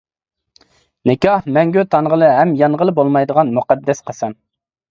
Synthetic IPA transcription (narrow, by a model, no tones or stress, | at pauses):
nɪkʲɑhmɛŋɡʲøt̪ʰɑnʁəlˠɨɦɛmjɑnʁəlˠɨbolˠmɑjd̪əʁɑnmuqɑd̪ːɛsqʰɑsɑn